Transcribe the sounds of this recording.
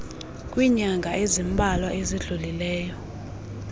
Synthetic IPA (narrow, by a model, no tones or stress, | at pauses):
kʼwiɲaŋɡʱaʔezimbʱalwaʔeziɮulilɛːjɔ